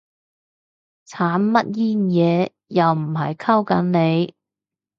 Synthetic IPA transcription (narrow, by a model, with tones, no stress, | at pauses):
t͡sʰaː˨˥nmɐ˥t̚jiː˥njɛː˨˧ | jɐ˨wm̩˨˩ɦɐ̰˨jkʰɐ˥wkɐ˨˥nne˨˧j